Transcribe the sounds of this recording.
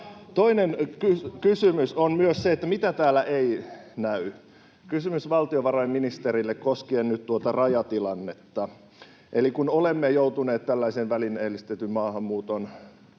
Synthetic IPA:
t̪oinenkykysymysonmyøsseet̪ːæmit̪æt̪æːlæʔeinæy | kysymysʋɑlt̪ioʋɑrɑjmminist̪eɾilːekkoskiːnnyt̪t̪uot̪ɑrɑjɑt̪ilɑnːet̪ːɑ | ʔelikunolemːejout̪uneːt̪t̪ælːæiseːʋʋælineːlist̪et̪ymmɑːhɑmmuːt̪on

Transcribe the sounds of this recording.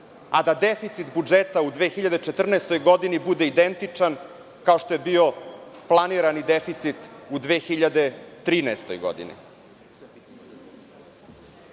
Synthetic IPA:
ad̪ad̪efit̪sit̪bud͡ʒet̪aud̪ʋexiʎad̪et͡ʃet̪r̩naest̪o̞jɡo̞d̪inibud̪e̞id̪ent̪it͡ʂan | kao̞ʃt̪o̞jebio̞plˠaniɾanid̪efit̪sit̪ud̪ʋeːxiʎad̪e̞t̪ɾiːnaest̪o̞jɡo̞̰d̪ḭnḭ

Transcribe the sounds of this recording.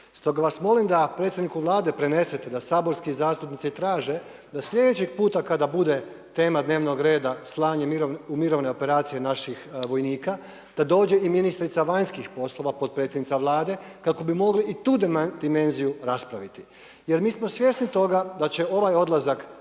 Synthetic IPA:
st̪o̞ɡaʋasmo̞limd̪apɾe̞t̪sʲed̪nikuʋlˠaːd̪e̞pɾe̞ne̞set̪ed̪asaːbo̞ɾskizaːst̪upnit̪sit̪ɾaːʒe̞ | d̪asʎʲe̞d̪et͡ɕiɡpuːt̪akad̪abud̪e̞ | t̪e̞ːmad̪ne̞ːʋno̞ɡɾe̞ːd̪aslˠaːɲeiɾoumiɾo̞ʋne̞o̞pe̞ɾaːt̪sije̞naʃixʋo̞jniːka | d̪̥ad̪o̞ːd͡ʒe̞iminist̪ɾit̪saʋaɲskixpo̞slo̞ʋapo̞t̪̚pɾe̞t̪jed̪nit̪saʋlˠaːd̪e̞kako̞bimo̞ɡliʔit̪uːd̪d̪ime̞nzijuɾaspɾaʋit̪i | jeɾmiːsmo̞sʋje̞snit̪o̞ɡad̪at͡ɕe̞o̞ʋajo̞d̪lˠazak

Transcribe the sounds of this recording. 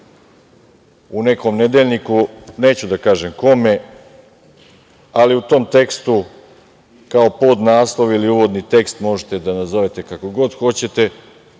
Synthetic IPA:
une̞ko̞mne̞d̪e̞ʎnikune̞ːt͡ɕud̪akaːʒe̞mko̞me̞ | aliut̪o̞ːmt̪e̞kst̪u | kao̞pod̪naːslˠo̞ʋiliuʋo̞d̪nit̪e̞kst̪mo̞ʒet̪e̞d̪anazo̞ʋet̪e̞kako̞ɡo̞d̪xo̞t͡ɕe̞t̪e̞

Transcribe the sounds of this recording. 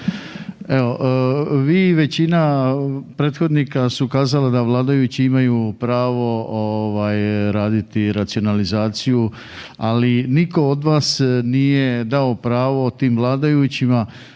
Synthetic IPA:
e̞o̞ʔʋiːʋe̞t͡ɕinapɾeːt̪xo̞d̪nikasukaːzalad̪aʋlˠaːd̪ajut͡ɕiimajupɾaːʋo̞oʋajɾaːd̪it̪iɾat̪sio̞nalizaːt̪siju | aliniko̞od̪ʋaːsnije̞d̪ao̞pɾaːʋo̞t̪iːmʋlˠaːd̪ajut͡ɕima

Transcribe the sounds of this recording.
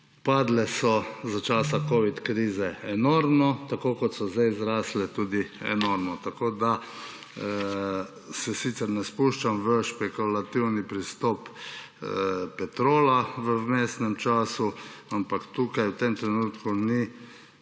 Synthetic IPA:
paːd̪lɛsɔzat͡ʃaːsakoːʋit̪kɾiːzɛɛnɔːɾmnɔt̪akoːkɔt̪sɔzd̪ajzɾaːslɛt̪uːd̪iɛ̰noːɾmnɔt̪akoːd̪a | sɛsit̪sɛɾnɛspuʃt͡ʃamʋəʃpɛkulat̪iwnipɾist̪ɔp | pɛt̪ɾoːlaʋəwmeːsnɛmt͡ʃaːsuampakt̪uːkajwt̪emt̪ɾɛnuːt̪kuni

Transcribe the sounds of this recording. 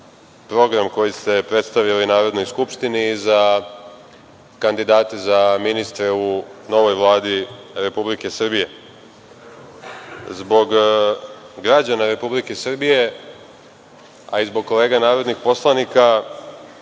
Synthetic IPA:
pɾo̞ɡɾamko̞jist̪e̞pɾe̞t̪st̪aʋilijnaːɾo̞d̪no̞jskupʃt̪iniːza | kand̪id̪aːt̪ezaminist̪ɾeuno̞ʋo̞jʋlˠaːd̪iɾe̞publike̞sr̩bije̞ | zbo̞ɡ | ɡɾad͡ʑanaɾe̞publike̞sr̩bije̞ | aizbo̞ɡ̚ko̞le̞ːɡanaːɾo̞d̪nixpo̞slˠanika

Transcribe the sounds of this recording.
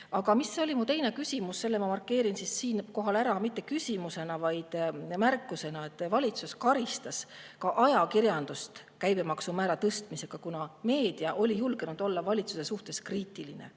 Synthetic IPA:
ɑɡ̥ɑmisːeo̞limut̪e̞jne̞kysʲimusse̞lːemɑmɑrkːe̞ːɾinsisːiːnko̞ɦɑlæɾɑmit̪ːˑe̞kysʲimuse̞nɑvɑjd̪̥mærkːˑuse̞nɑe̞t̪ːˑvɑlʲit̪suskɑɾist̪ɑskɑʔɑjɑkirjɑnd̪̥ust̪ | kæjb̥emɑksumæːɾɑt̪ɤst̪mise̞ɡ̥ɑkunɑme̞ːd̪̥iɑʔo̞lʲijulɡ̥enud̪̥o̞lːɑvɑlʲit̪suse̞suht̪e̞skriːt̪ːˑiline̞̰

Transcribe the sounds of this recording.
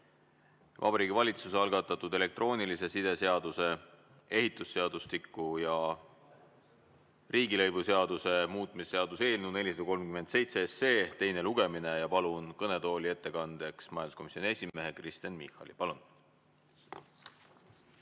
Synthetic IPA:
vʔɑ̰bɑɾiːɡʲivɑlʲit̪suseɑlɡ̥ɑt̪ːˑɑt̪ːˑud̪e̞le̞k̚t̪ro̞ːnilise̞sid̪̥e̞se̞ɑd̪̥use̞ | e̞ɦit̪ˑːusːe̞ɑd̪ust̪ikːˑujɑ | riːɡilɤjvuse̞ɑd̪̥use̞muːt̪ˑmisse̞ɑd̪̥use̞ːlnud̪ne̞lʲisɑd̪ɑko̞lmkymed̪se̞jt̪seesːeːt̪e̞jne̞luɡ̥e̞mine̞jɑpɑlunkɤne̞t̪o̞ːlʲie̞t̪ːe̞kɑnd̪̥e̞ksmɑjɑnd̪sko̞misʲːonʲie̞sʲime̞ɦekrist̪ɑnmihˑɑ̰lipɑlun

